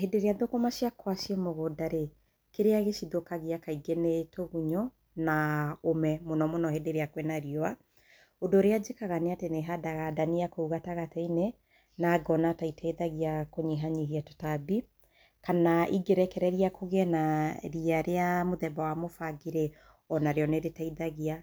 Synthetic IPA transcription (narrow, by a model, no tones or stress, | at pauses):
hedeɾeaðokomaʃiakwaʃiemoɣodaɾe | keɾeaɣeʃiðokaɣiakaiɡenetʰoɣuɲɔ | naomɛmonɔmonɔhedeɾeakwɛnaɾiɔa | odoɾead͡ʒekaɣaneateneɦadaɣadaniakouɣataɣatɛine | naɡɔnataitʰaiðaɣiakoɲiɦaɲiɦiato̥tabi | kanaʔiɡeɾɛkɛɾɛɾiakoɣɛnaɾiaɾeamoðɛbawamofaɡiɾe | ɔnaɾeɔneɾetaiðaɣia